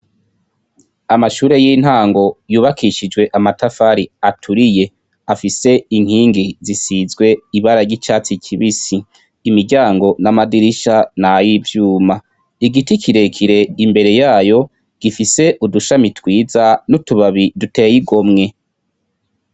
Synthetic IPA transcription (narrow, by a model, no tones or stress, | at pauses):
amaʃuːɾe̞jin̥haːŋɡo̞juːβakʰiʃid͡ʒɡwe̞ʔamatafaɾiatʰuɾije̞ | afise̞iŋ̥hiːŋɡizisizɡwe̞iβaɾaɾɟit͡ʃaːt͡sicʰiβisiː | miɾɟaːŋɡo̞namadiɾiʃanajivjuːma | iɡitikʰiɾe̞kʰiɾe̞imbe̞ɾe̞jaːjo̞ | ɡ̥ifise̞ʔuduʃamitwiːzanutuβaβidute̞ːjiɡo̞mŋe̞